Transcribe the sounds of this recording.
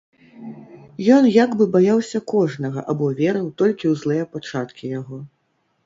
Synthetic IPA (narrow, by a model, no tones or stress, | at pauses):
jɔnjaɡbɨbajawsʲɐkɔʐnɐɣɐ̰ʔabɔvʲɛɾɨwt̪ɔlʲkʲiwzlˠɛjɛpat͡ʂat̪kʲijaɣɔ